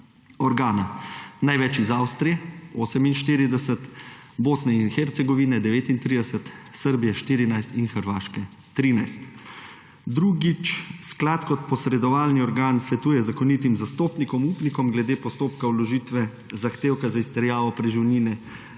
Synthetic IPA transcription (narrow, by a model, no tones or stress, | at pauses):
ɔɾɡaːnanajʋɛt͡ʃizawst̪ɾijɛoːsɛminʃt̪iːɾid̪ɛsət̪boːsnɛinxɛɾt̪sɛɡɔʋiːnɛd̪ɛʋeːt̪int̪ɾiːd̪ɛsət̪səɾbijɛʃt̪iːɾinajst̪inxəɾʋaːʃkɛ | t̪ɾiːnajst̪ | d̪ɾuːɡit͡ʃsklat̪kɔt̪̚pɔsɾɛd̪ɔʋaːlniɔɾɡaːnsʋɛt̪uːjɛzakɔnit̪imzast̪oːpnikɔmuːpnikɔmɡlɛd̪eːpɔst̪oːpkawlɔʒiːt̪ʋɛ | zaxt̪eːwkazaist̪ɛɾjaːʋɔpɾɛʒiwniːnɛ